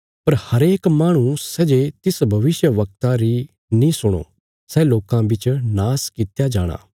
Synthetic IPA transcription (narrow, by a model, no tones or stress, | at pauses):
pɐɾhɐɾeːkmaːɽ̃ũsɛːd͡ʒet̪ɪsbʱɐʋɪsjəʋɐk̚t̪aɾi | nĩsʊɽ̃o̰ː | sɛloːkãbɪt͡ʃnaːskit̪jad͡ʒaːɽ̃a̰ː